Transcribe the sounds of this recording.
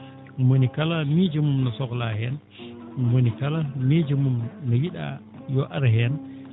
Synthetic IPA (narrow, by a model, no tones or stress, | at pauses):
monikalamid͡ʒəmumnɔsɔklahɛn | monikalamid͡ʒəmumnɔjiɗa̰ | jɔʔaɾɦɛn